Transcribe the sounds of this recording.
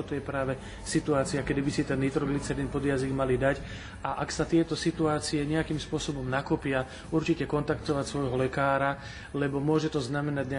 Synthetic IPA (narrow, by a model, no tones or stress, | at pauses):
ɔt̪ɔjɛpɾaːʋɛ | sit̪uaːt͡siakɛd̪ibisit̪ɛnːit̪ɾɔɡlit͡sɛɾinpɔd̪jaziɡmalid̪ac | aʔaksat̪ɪɛt̪ɔsit̪uaːt͡siɛɲɛakimspʊɔsɔbɔmnakɔpɪa | uɾt͡ʃicɛkɔnt̪akt̪ɔʋacsʋɔjɦɔlɛkaːɾa | lɛbɔmʊɔʒɛt̪ɔznamɛnaɟɲɛ